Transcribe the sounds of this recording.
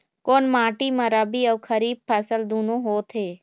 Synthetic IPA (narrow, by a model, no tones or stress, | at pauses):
koːnmaːʈimɐɾabiɔːkʰəɾiːb̚pʰɛːsəld̪uːnõɦoːt̪ʰeː